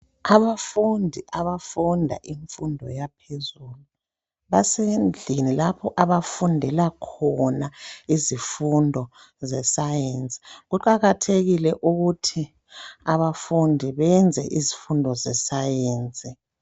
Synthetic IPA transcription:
aβafundʱiʔaβafundʱa̰ʔiɱfundʱɔ̰japʰezuːlu | βasend͡ɮʱinilapʰɔʔaβafundʱɛlakʰɔnaizifundʱɔ | zɛsajeːnt͡sʼi̥ɣuǃaɣatʰeɣilɛʔuɣutʰi | aβafundʱiβɛnd͡zʱɛ̰ʔizifundʱɔzɛsajeːnt͡sʼi

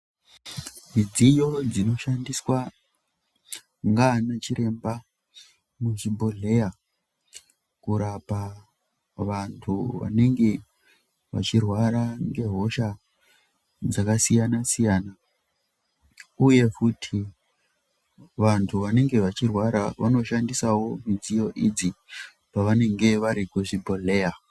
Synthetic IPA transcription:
mid͡zijo̞d͡zino̞ʃandiswa | ŋɡanat͡ʃiɾe̞mba | muʐibʱoɮe̞ja | kuɾapa | ʋantʰuʋa̰ne̞ŋɡe̞ | ʋa̰t͡ʃirwaɾaŋɡe̞ɦo̞ʃa | d͡zakasijanasijaːna | uje̞futʰi | ʋantʰuʋane̞ŋɡe̞ʋat͡ʃirwaɾa̰ʋa̰no̞ʃandisawo̞mid͡zijo̞ʔid͡zi | paʋane̞ŋɡe̞ʋaɾikuʐibʱoɮe̞ja

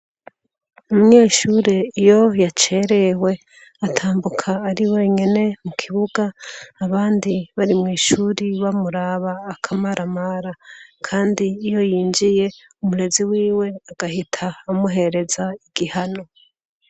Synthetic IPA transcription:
umuɲeːʃuːɾe̞ijo̞jat͡ʃe̞ːɾe̞we̞ | atʰaːmbukʰaːɾiwe̞ɲene̞mukʰiβuɡaːβaːndiβaɾimŋiːʃuːɾiβamuɾaːβaːkʰamaɾʔamaɾakʰaːndiːjo̞jiːnd͡ʒije̞ | umuɾe̞ziwiːwe̞aɡ̥ahitʰaːmuɦe̞ɾe̞zaiɡ̥ihano̞

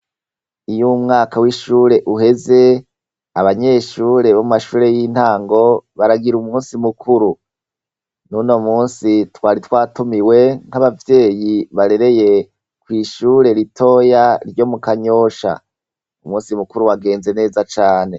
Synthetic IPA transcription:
ijumŋaːkawiʃuːɾe̞ʔuɦe̞ze̞ | aβaɲe̞ːʃuːɾe̞βomumaʃuːɾe̞jin̥haːŋɡo̞βaɾaɡiɾumuːnsimukʰuɾu | nuno̞muːnsitwaːɾitwaːtumiwe̞ŋ̥haβavje̞ːjiβaɾe̞ɾe̞je̞ | kwiːʃuːɾe̞ɾitʰo̞ːjaɾɟo̞mukaɲo̞ʃa̰ | umuːnsimukuɾuwaɡe̞ːnze̞ne̞ːzat͡ʃaːne̞

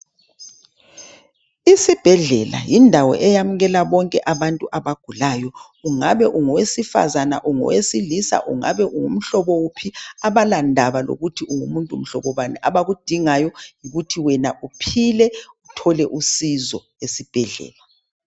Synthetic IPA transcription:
isib̥ʱɛɮɛla̰jindʱawɔ̰ʔɛjamuɣɛlaβɔŋkʼɛʔaβantʼuʔaβaɡ̥ʱulajɔ | uŋaβɛʔuŋɔwesifa̰zana̰ʔuŋɔ̰wesilisa̰ʔṵŋa̰βɛʔuŋṵm̩ɬɔβɔwupʰiaβalandʱaβalo̰ɣutʰiʔuŋumuntʼum̩ɬɔβɔβanɛʔaβaɣud̥ʱiŋajɔŋiɣutʰiwɛnaʔupʰilɛutʰɔlɛʔusizɔ | esib̥ʱɛɮɛ̰ːla

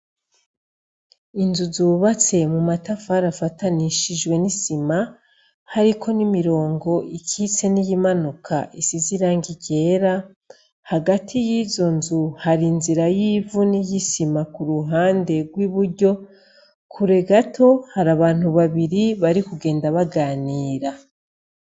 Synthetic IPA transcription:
inzuzuːβat͡se̞mumatafaɾafataniʃiʒwe̞nisima | haɾikʰo̞nimiɾo̞ːŋɡo̞ʔikʰit͡se̞nijimanukʰa̰ʔisiziɾaːŋɡiɟe̞ːɾa | haɡatʰijiːzo̞nzuhaɾinziɾajiːvunijisimakuɾuɦaːnde̞ɡwiβuɾɟo̞ | kʰuɾe̞ɡatʰo̞haɾaβaːn̥huβaβiɾiβaɾikuɡe̞ːndaβaɡaːniːɾa

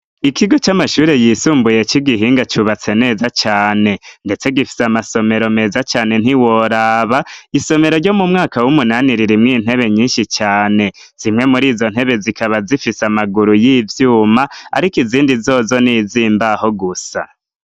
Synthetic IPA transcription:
ikiɡo̞t͡ʃamaʃuːɾe̞jisuːmbuje̞t͡ʃiɡiɦiːŋɡat͡ʃuβat͡se̞ne̞ːzat͡ʃaːne̞nde̞t͡se̞ɡifi̥samaso̞me̞ɾo̞me̞ːzat͡ʃaːne̞n̥iwo̞ɾaβaiso̞me̞ɾo̞ɾɟo̞mumŋaːkawumunaniɾiɾimŋiːn̥he̞βe̞ɲiːnʃit͡ʃaːne̞ | z̥imŋe̞muɾiːzo̞n̥he̞βe̞zikaβazifisamaɡuɾujiːvjuːmaa̰ɾikiziːndizo̞ːzo̞niziːmbaho̞ɡusa̰

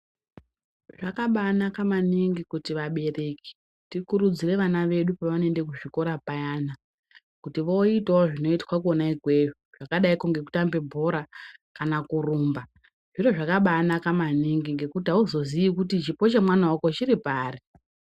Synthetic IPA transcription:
ʐakaɓanakamaniŋɡikutiʋaɓe̞reki̥ | tikuɾud͡zire̞ʋanaʋe̞ɗupaʋane̞ndekuʐiko̞ɾapajaːna | kutiʋo̞itaoʐino̞itwakuonaiɡʱweʐoʐ̥akaɗaikoŋɡe̞ku̥tambe̞bʱoɾakanakuruːmba | ʐ̥iro̞ʐakaɓanakamaniŋɡiŋɡekutiauzo̞ziʋikutit͡ʃipo̞t͡ʃemwanaoko̞t͡ʃiɾipaːri

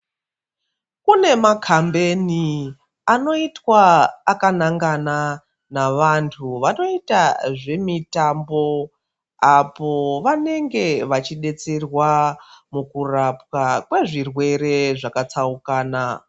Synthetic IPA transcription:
kune̞makʰambe̞ni | ano̞itwaːkanaŋɡana | naʋantʰuʋano̞itaʐe̞mitambo̞ | apo̞ʋane̞ŋɡe̞ʋat͡ʃiɗe̞t͡serwamukurapwakwe̞ʐirwe̞ɾe̞ʐakat͡saukaːna

